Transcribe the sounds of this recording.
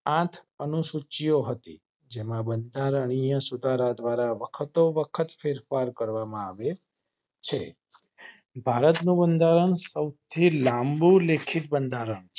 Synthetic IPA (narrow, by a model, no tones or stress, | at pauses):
ãt̪ʰənusut͡ʃijoɦət̪ḭ | d͡ʒemãbənd̪ʱaɾəɳ̃ijə̃sud̪ʱaɾad̪ʋaɾaʋəkʰət̪oʋəkʰət̪feɾfaɾkəɾʋamãaʋe | t͡ʃʰe | bʱaɾət̪nũbənd̪ʱaɾəɳsəwt̪ʰilãmbulekʰiʈ̪̚bənd̪ʱaɾəɳ